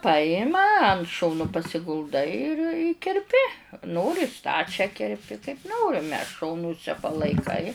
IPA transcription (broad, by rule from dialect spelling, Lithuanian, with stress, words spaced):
ˈpɑːjɪmɐ ɐnt ˈʃoːnʊ pɐsʲɪɡʊlˠˈdɐɪ ɪr ɪ kʲɛrʲˈpʲɪ ˈnoːrʲɪ ˈstɑːt͡ʃʲæː kʲɛrʲˈpʲɪ kɐɪp ˈnoːrʲɪmʲɛ ˈʃoːnʊsʲɛ pɐlˠɐɪˈkɐɪ